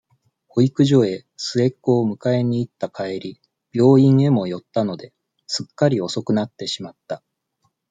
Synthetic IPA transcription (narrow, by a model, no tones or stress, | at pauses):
ho̞ikɯ̟ʑo̞e̞ | sɨe̞kːo̞ːmɯ̟kae̞ɲ̟iːt̪ːakae̞ɾʲi | b̥ʲo̞ːĩɴ̃e̞mo̞jo̞t̪ːano̞d̪e̞ | sɨkːaɾʲio̞so̞kɯ̟nat̪ːe̞ɕimat̪ːa